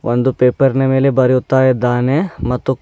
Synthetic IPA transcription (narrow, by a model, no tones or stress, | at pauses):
ʋʔo̰nd̪upeːpɐɾnɐmeːlebɐɾjut̪ːaːjɐd̪ːaːnemɐt̪ːu